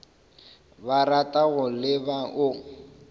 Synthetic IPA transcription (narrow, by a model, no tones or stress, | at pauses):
baɾatʼaɣʊlɪbaʔʊ